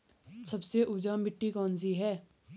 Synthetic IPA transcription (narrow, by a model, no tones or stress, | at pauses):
sɐbseʔʊːd͡ʒaːmbɪʈːiːkɔːnsiːɦɛː